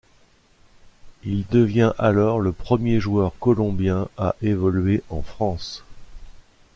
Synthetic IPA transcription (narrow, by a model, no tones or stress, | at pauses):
ild̪əvjɛ̃ʔalɔʁləpχəmjeʒwœʁkɔlɔ̃bjɛ̃aʔevɔlɥeʔɑ̃fχɑ̃s